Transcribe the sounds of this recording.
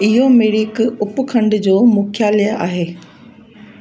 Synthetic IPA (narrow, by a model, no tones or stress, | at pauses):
ɪɦomeɽikʊpʊkʰɐ̃ɳɖd͡ʑoːmuːkʰjaːlijəaːɦeː